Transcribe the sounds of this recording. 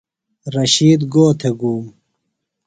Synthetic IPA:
ɾɐɕiːd̪ɡoːt̪ʰeɡuːm

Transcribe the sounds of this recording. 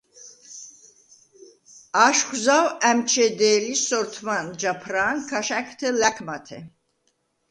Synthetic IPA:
aʃχzawæmt͡ʃʰɛd̪ɛːlisɔɾt̪ʰmand͡ʒapʰɾaːnkʰaʃakʰt̪ʰɛlækʰmat̪ʰɛ̰

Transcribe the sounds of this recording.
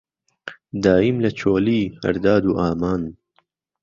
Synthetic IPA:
d̪aːimlɐt͡ʃʰoːliːhɐ̰ɾd̪aːd̪uːʔaːmaːn

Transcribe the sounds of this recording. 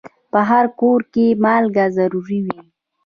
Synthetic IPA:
pəɦaɾkoɾkemɑlɡazaɾuɾiwi

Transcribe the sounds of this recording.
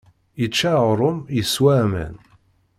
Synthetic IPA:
jət͡ʃːaɾˤʊmjəswæmæ̰n

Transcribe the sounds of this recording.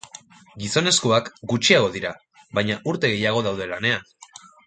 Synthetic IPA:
ɡiso̞ne̞skoakɡut͡ʃiaɣ̞o̞ðiɾa | βajɲaʔuɾt̪e̞ɣe̞jaɣ̞o̞ðawðe̞lane̞an

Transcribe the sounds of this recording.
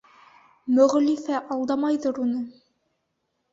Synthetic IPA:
mɵ̆ʁlifæʔɑlˠd̪ɑmɑjðɤɾunɤ

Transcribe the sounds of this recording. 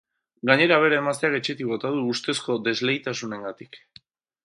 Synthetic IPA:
ɡaɲe̞ɾaβ̞e̞ɾaemast̪eake̞t͡ʃe̞t̪ikβot̪aðuːst̪e̞sko̞d̪e̞zle̞jt̪asune̞ŋɡat̪ik

